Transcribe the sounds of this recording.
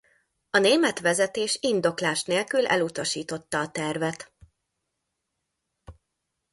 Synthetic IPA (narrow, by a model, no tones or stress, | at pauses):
ɒneːmɛt̪ʋɛzɛt̪eːʃind̪o̞klaːʃneːlkylɛ̰lut̪ɒʃiːt̪o̞t̪ːɒːt̪ɛrvɛt̪